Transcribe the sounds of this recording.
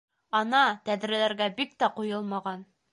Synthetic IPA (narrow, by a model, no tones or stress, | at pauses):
ɑnɑt̪æðɾælæɾɡæbik̚t̪æqujɤlˠmɑʁɑn